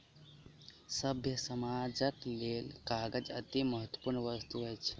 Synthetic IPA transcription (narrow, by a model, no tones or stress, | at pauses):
səbʱjəsəmad͡ʒəklelkaːɡəd͡ʒə̰t̪iməɦət̪ːwəpuɾɳəʋəst̪uɦəjt͡ʃʰ